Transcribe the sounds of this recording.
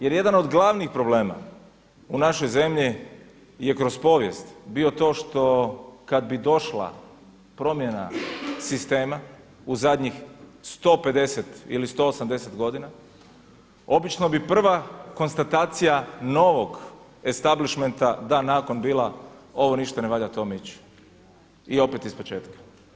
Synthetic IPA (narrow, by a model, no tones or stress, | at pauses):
jeɾje̞d̪ano̞d̪ɡlˠaʋnixpɾo̞ble̞ːma̰ | unaʃo̞jze̞mʎi | jekɾo̞spo̞ʋjḛst̪bio̞t̪o̞ːʃt̪o̞kad̪bid̪o̞ʃla̰ | pɾo̞mjena̰sist̪e̞ːma | uzad̪ɲixst̪o̞pe̞d̪e̞set̪ḭlist̪o̞osamd̪e̞set̪ɡo̞d̪ina | o̞bit͡ʃno̞bipr̩ʋako̞nst̪at̪aːt̪sijano̞ʋo̞ɡ | e̞st̪abliʃment̪ad̪anaːko̞nbiːlˠao̞ʋo̞niʃt̪aneʋaʎat̪o̞mit͡ɕ | io̞pet̪ispo̞t͡ʃe̞ːt̪kḁ